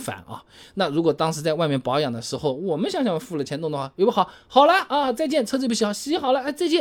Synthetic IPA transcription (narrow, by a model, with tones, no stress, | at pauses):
fa̰˨˩˦nʔɐ̰˧na˥˩ɻu˧˥kwɔ˨˩t̪ɑ˥ŋʂɻ̩˧˥t͡sa˥ɪwa˥˧ɪmjɛ˥˩npɑ˧˥ʊjɑ˨˩ŋd̪ə˦ʂɻ̩˧˥xo˥˩ʊwɔ˨˩mə˦nɕjɑ˧˥ŋɕɑ˥˩ŋ˧˥fu˥˩lə˩t͡ɕʰɛ˧˥nt̪ŋ˧d̪ə˩wa˥˩jo˧ʊbxɑ˨˥˩xɑ˨˩ʊla˧˥ɪʔɐ˧˩t͡sa˥˧ɪt͡ɕjɛ˥˩nt͡sʰɤ˥˧t͡s̩˥˩pu˧˩ɕ̬i˧˥xɑ˧˩ɕi˧˥˩i˧˥xɑ˨˩lə˧˥ə˥˧t͡sa˥˧ɪt͡ɕjɛ˥˩